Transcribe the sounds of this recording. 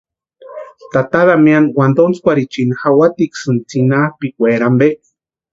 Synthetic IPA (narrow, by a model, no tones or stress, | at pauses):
t̪at̪aðamianwand̪ont͡skʷaɾit͡ʃinhawat̪iksɨnt͡sinapikʷeɾambe